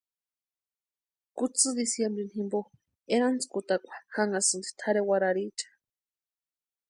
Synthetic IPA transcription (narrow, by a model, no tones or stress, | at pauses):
kut͡sɨd̪isjembɾenhĩmbo | enant͡skut̪akʷḁxaŋɡasɨnd̪i̥t̪ʰaɾewaɾaɾit͡ʃḁ